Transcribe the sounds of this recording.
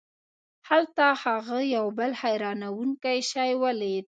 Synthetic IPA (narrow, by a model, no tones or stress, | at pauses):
halt̪ahaɣəjawbəlhajɾɑnawuŋkajʃɑjwəled̪̚